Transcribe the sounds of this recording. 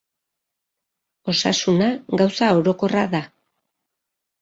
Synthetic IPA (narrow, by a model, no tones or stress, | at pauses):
o̞sa̰sunaɡawsao̞ɾo̞ko̞raða